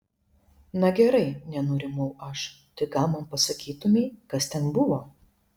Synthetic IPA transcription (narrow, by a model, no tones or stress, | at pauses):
nɐɡʲɛɾɐɪnʲɛnʊɾʲɪmɐʊɐʃt̪ɐɪɡɑːmɐmpɐsɐkʲiːt̪ʊmʲiːkɐst̪ʲɛnbʊʋoː